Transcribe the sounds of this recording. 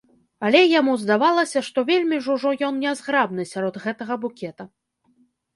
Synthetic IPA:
ɐlʲɛjamuzd̪avalˠɐsʲɐʂt̪ɔvʲelʲmʲiʐuʐɔjɔnnʲɛzɣɾab̚nɨsʲaɾɔd̪ɣɛt̪ɐɣɐbukʲɛt̪ɐ

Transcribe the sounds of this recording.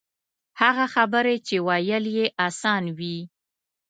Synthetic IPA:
haɣaxabəɾet͡ʃewajəljeʔasɑnwi

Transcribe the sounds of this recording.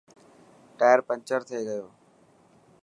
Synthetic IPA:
ʈaːjəɾpə̃ɲt͡ʃəɾt̪ʰɪeɡəjoː

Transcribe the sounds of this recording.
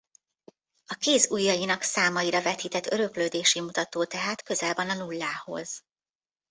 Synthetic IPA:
ɒkeːzujːɒjinɒksaːmɒjiɾɒvɛt̪iːt̪ɛt̪ːø̞ɾø̞kløːd̪eːʃimut̪ɒt̪oːt̪ɛɦaːt̪kø̞zɛlbɒnɒnulːaːho̞̰z̥

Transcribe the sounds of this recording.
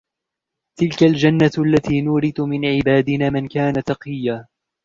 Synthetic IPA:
t̪ɪlkald͡ʒanːaalːat̪iːnʊɾɪd̪ʊmɪnʕɪbaːd̪ɪnaːmɪnkaːnat̪ɑqɨjːaː

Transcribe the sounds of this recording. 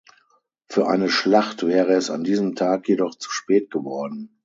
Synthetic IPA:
fyːɐʔa̰ɪnəʃlaχtv̥ɛːʁəɛsa̰ndiːzəmtʰaːkjedɔχt͡su̥ʃpɛːt̚ɡ̥əvɔɐdn̩

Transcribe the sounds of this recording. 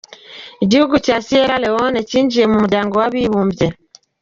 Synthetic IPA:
iɟihuɡucasijeɾalewoneciːɲɟiɾemumudaːŋɡowaβiβuːmbje

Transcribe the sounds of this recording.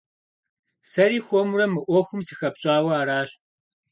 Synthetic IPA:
sɐɾiːxʷɔmurɐmɨʔʷɔxʷʊmsɨxɐpɕʼaːwɐaːɾaːɕ

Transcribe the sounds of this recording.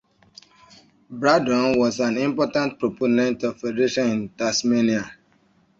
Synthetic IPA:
bɾadɔ̃nwɔzãnĩmpɔtãnt̚pɾoponɛ̃ntafɛdɛɾeʃɔ̃nĩntasmenia

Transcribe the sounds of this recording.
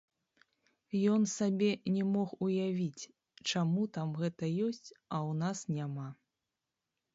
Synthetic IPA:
jɔnsabʲɛnʲɛmɔxujavʲit͡sʲ | t͡ʂamut̪amɣɛt̪ɐjɔsʲt͡sʲɐwnasnʲama

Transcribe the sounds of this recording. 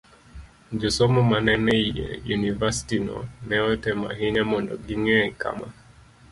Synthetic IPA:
d͡ʒɔsɔmɔmanɛnɛiḛjunivasi̥tinɔ̰nɛɔtɛma̰ɦiɲamɔndɔ̰ɡiŋɛka̰ma

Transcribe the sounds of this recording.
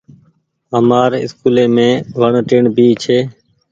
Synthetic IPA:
ɦəmaːɾɪ̰skuːleːmẽːʋəɳʈɪɳbiːt͡ʃʰeː

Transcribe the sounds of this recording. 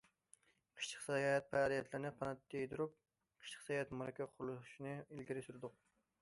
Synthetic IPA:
qʰə̥ʃt͡ʃʰə̥qsɑjɑɛt̪̚pʰæɾijɛt̪ʰlɪɾnɪqʰɑnɛt̪ːejd̪uɾup̚ | qʰə̥ʃt͡ʃʰə̥χsɛjɑɛt̪mɑɾɛkʲʰɛqʰʊɾulˠʃinɨilɡʲiɾɪsyɾɪd̪ʊq̚

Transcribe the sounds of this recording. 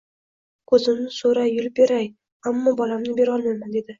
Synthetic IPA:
kʰɵzɪmnɪsoɾajːʊlˠbe̞ɾaj | amːɒbɒlamnɪbe̞ɾɒlˠmajmand̪e̞d̪ɪ

